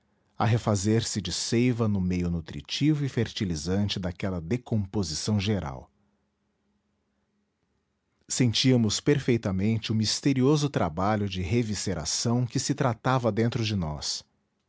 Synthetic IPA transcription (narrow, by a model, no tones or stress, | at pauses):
aɦefazeɾsɪd͡ʒɪsejvɐnʊmejʊnut̪ɾḭt͡ʃivʊifeɾt͡ʃilizɐ̃nt͡ʃɪd̪akɛlɐd̪ekõpozisɐ̃w̃ʒeɾa̰w | sẽnt͡ʃiɐmʊspeɾfejt̪ɐmẽnt͡ʃɪʊmist̪eɾiozʊt̪ɾabaʎʊd͡ʒɪɦeviseɾa̰sɐ̃w̃kɪsɪt̪ɾat̪avɐd̪ẽnt̪ɾʊd͡ʒɪnɔ̰s